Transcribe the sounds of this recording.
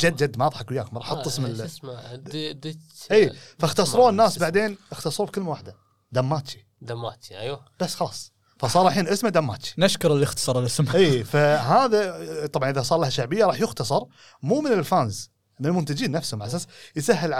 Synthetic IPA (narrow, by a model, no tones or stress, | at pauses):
d͡ʒad̪ːd͡ʒad̪ːmɑːðˤħakwjaːkʊmɾˤɑːħɑt̪ˤːɪsmɪl | d̪ʔiːfaxt̪ɑsˤɾˤuːnːaːsbaʕd̪eːnʔəxt̪ɑsˤɾuːbkəlːmawaːħd̪a | d̪amːaːt̪t͡ʃi̥ | d̪amːaːiʔajwa | b̥asːxɑlɑːsˤ | fasˤɑːɾˤaħiːnʔɪsmad̪amːaːt̪t͡ʃi̥naʃkʊɾˤɪlːɪxt̪ɑ̥sˤɑɾˤlʔɪsmʔiːfaɦaːðat̪ˤɑbʕanʔɪðasˤɑːɾˤlahaʃaʕbəjːaɾˤɑːħjʊxt̪ɑsˤɑɾˤ | muːmɪnɪlfaːnz | mɪnəlmʊnt̪ad͡ʒiːnːafshʊmbʕʔas̬aːsjsaɦːɪlʕ